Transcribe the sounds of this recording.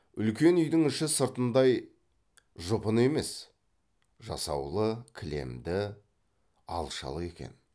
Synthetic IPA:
ʏlkʲe̞nʏjd̪ɪŋɪʃɪsəɾt̪ənd̪ɑj | ʒʊpəne̞me̞s | ʒɑ̰sɑ̰wlˠəkʲʰɪle̞̰md̪ɪ | ɑ̰lˠʃɑ̰lˠəe̞kʲe̞̰n

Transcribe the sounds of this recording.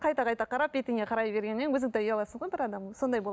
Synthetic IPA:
qʰɑjt̪ɑqʰɑjt̪ɑqʰɑɾɑp̚et̪ɪŋɡʲeqʰɑɾɑjbe̞ɾɡʲenmenwɵzɪŋt̪eʏjɑlˠɑsəɴʁojbɪɾɑd̪ɑmmso̞nd̪ɑjbolˠ

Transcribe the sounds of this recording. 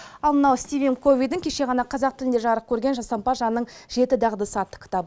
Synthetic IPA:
ɑlˠmənɑwst̪ivʲenkʰo̞vʲijd̪ɪŋkʲʰe̞ʃe̞ʁɑnɑqʰɑzɑqt̪ɪlɪnd̪e̞ʒɑɾəq̚kʲʰɵɾɡʲe̞nʒɑsɑmpɑʒɑnːəɴʒ̥e̞t̪ɪd̪ɑʁd̪əsəɑt̪ːə̥kʰʲɪ̥t̪ɑbə

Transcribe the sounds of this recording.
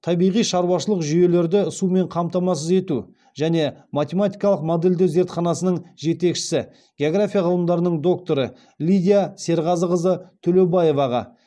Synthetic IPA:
t̪ʰɑbijʁijʃɑɾwɑʃəlˠəqʒʏje̞le̞ɾd̪ɪʊsume̞ɴqʰɑmt̪ɑmɑs̬əze̞t̪u | ʒæne̞mat̪ʲe̞mat̪ʲijkɑlˠəqmod̪e̞ld̪ɪze̞ɾt̪χɑnɑsənəɴʒe̞t̪e̞kʃɪ̥sɪ | ɡʲeoɡrafʲijaʁəlˠəmd̪ɑɾənəɴd̪o̞k̚t̪o̞ɾə | lʲijd̪ʲijase̞ɾʁɑzəʁəzət̪ʰɵløbaje̞vɑʁɑ̰

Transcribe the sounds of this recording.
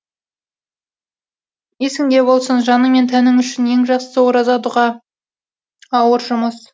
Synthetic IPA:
esɪŋɡ̪ʲe̞bo̞lˠsənʒɑnəme̞nt̪ʰænɪŋʏʃɪnje̞ŋʒɑqsəwoɾɑzɑt̪uʁɑ | ɑwəɾʒʊməs

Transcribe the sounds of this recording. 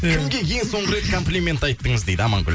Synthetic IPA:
kʲʰɪmɡʲe̞kʲʰe̞jɪŋso̞ɴʁəɾe̞t̪kʰo̞mplʲimʲe̞nt̪ɑjt̪ːəɴəzd̪ejd̪əɑmɑŋɡʲʏ̰l

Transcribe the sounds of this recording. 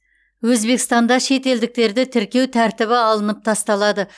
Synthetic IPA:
wɵzbe̞kʲɪst̪ɑnd̪ɑʃe̞t̪e̞ld̪ɪk̚t̪e̞ɾd̪ɪt̪ʰɪɾkʲe̞wt̪ʰæɾt̪ɪβɪɑlˠənəp̚t̪ʰɑst̪ɑlˠɑd̪ə

